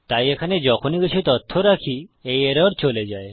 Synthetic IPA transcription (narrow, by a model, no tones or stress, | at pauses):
t̪ajekʰaned͡ʒɔkʰoniɡit͡ʃʰit̪ɔt̪ʰːoɾakʰiejeɾɔɾt͡ʃoled͡ʒae